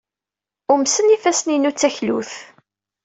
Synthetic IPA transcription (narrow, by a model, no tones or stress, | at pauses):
ʊmsənifæsninut͡sːæçlṵθ